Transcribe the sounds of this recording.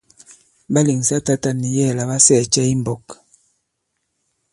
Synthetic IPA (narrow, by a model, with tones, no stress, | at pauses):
ba˦li˨ŋ˨sa˦ta˦ta˨ni˨jɛ˦˨la˨βa˦sɛ˦˨t͡ʃɛ˦i˦m˨bɔ˨k